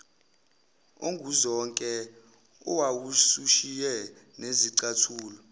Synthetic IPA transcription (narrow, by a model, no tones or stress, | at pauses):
o̰ŋɡʱuzɔŋkʼɛ | ṵwawusuʃijɛneziǀatʰuːlɔ